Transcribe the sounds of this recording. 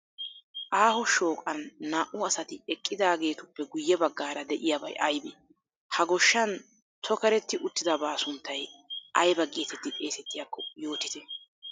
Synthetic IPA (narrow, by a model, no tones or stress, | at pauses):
ʔaːhɔʃo̞ːkʼɐnːaːʔʊɐsɐt̪ɪɛkʼːɪd̪aːɡe̞ːt̪ʊpːɛɡʊjːɛbɐɡːaːɾɐd̪ɛʔɪjabɐ̰jʔɐjbɛ | hɐɡɔʃːɐn | t̪ʰɔkɐɾɛt̪ːɪʔʊt̪ːɪd̪ɐbaːsʊnt̪ːɐjʔɐjbɐɡeːt̪ɛt̪ːɪt̪ʼe̞ːsɛt̪ːɪjakːɔjo̞ːt̪ɪt̪ɛ